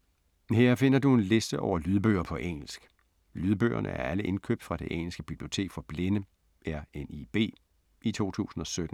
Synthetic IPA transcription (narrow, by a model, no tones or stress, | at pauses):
heɐ̰fe̝n̰ɐd̥ue̝nle̝sd̥əʔɒʊ̰ɐlyð̞ˠb̥ø̰ːɐpʰɒ̽ʔeŋ̰l̩sɡ̥ | lyːðˠb̥ø̰ːɐ̰nʔə̰æɐæləʔe̝nkʰø̰ːb̥d̥fʁɑ̈d̥e̝ʔeŋ̰l̩sɡ̥əb̥ib̥lio̝t͡sʰe̝̰ːɡ̥fɒ̽b̥le̝nə | æɐenib̥e̝̰ː | ʔit͡sʰo̝̰ːt͡sʰṵːsn̩ɒ̽sød̥n̩